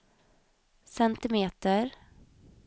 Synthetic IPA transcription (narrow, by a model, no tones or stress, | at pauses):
sɛnt̪ɪmeːt̪əɾ